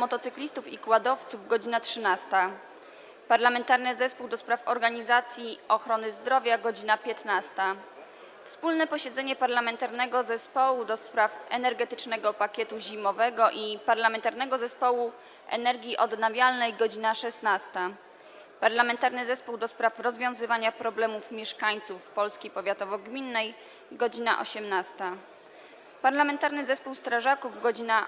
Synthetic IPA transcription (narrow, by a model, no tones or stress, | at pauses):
mɔt̪ɔt̪sɘklʲist̪ufikwad̪ɔft̪suvɡɔd͡ʑinatʂɘnast̪a | paɾlamɛnt̪aɾnɘzɛspuwd̪ɔspɾafɔɾɡaɲizat̪sʲjiɔxɾɔnɘzd̪ɾɔvʲjaɡɔd͡ʑinapʲjɛt̪nast̪a | fspulnɛpɔɕɛd̪zɛɲɛpaɾlamɛnt̪aɾnɛɡɔzɛspɔwud̪ɔspɾafɛ̰nɛɾɡɛt̪ɘt͡ʂnɛɡɔpakʲɛt̪uʑimɔvɛɡɔʔipaɾlamɛnt̪aɾnɛɡɔzɛspɔwu | ʔɛ̰nɛɾɡʲjiʔɔd̪navʲjalnɛjɡɔd͡ʑinaʂɛsnast̪a | paɾlamɛnt̪aɾnɘzɛspuwd̪ɔspɾafɾɔzvʲjɔ̃w̃zɘvaɲapɾɔblɛmufmʲjɛʂkaɲt̪sufːpɔlskʲipɔvʲjat̪ɔvɔɡmʲinːɛj | ɡɔd͡ʑina̰ʔɔ̰ɕɛmnast̪a | paɾlamɛnt̪aɾnɘzɛspuwst̪ɾaʐakuvɡɔd͡ʑina